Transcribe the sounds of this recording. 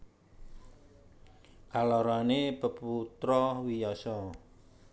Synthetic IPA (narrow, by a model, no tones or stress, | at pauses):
kalɔɾanepəput̪ɾɔwijɔsɔ